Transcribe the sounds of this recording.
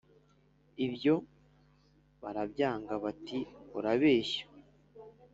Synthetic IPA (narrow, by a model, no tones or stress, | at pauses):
ibjo̞ | βaɾabɟaːŋɡaβatioɾaβe̞ːɕḁ